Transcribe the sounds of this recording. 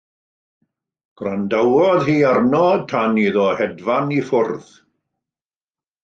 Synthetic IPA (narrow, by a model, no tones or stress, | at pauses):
ɡ̥randawɔðhiːarnɔd̚tʰaniðɔhɛdvanifʊrð̥